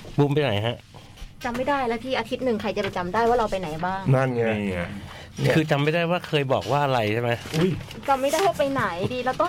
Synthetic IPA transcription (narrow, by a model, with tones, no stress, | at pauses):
bu˧mpa˧jna̰˨˩˦jɦa˦˥ʔ | t͡ɕa˧mːa˥˩jdaː˥˩jlɛ˦˥wt̪ʰiː˧ʔaː˧t̪ʰi˦˥t̪̚nɯ˨˩ŋkʰa˧jt͡ɕa˨˩pa˧˩t͡ɕa˧mdaː˥˩jwaː˥˩ɾa˧wpa˧jna˩˦jbaː˥˩ŋna˥˩nŋa˧˩˧ | kʰɯː˧t͡ɕa˧mːa˥˩jdaː˥˩jwaː˥˩kʰɤː˧jbɔː˨˩k̚waː˥˩ʔa˧ɾa˧jt͡ɕʰa˥˩ma˦˥jʔu˦˥˩j | t͡ɕa˧mːa˥˩daː˥˩jwaː˦˥˩pa˧jna˩˦jdiː˧lɛ˦˥wt̪ɔ˥˩ŋ